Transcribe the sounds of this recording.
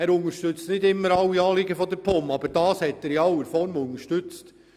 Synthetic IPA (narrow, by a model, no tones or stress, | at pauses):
æːɾʊŋəʃtʏt͡stnɪdɪmːəɾɑwːiɑːlɪɡəfɔd̪əɾpʰomɑb̥əɾd̥ɑːshɛt̪ːæɾjɑwəɾfɔɾmʊŋəɾʃtʉt͡st